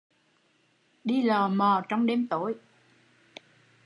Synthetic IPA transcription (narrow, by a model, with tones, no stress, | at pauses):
ɗi˧lɔː˨˩mɔː˨˩t͡ɕɔ˧wŋ͡mɗe˧mt̪o˧˨˦j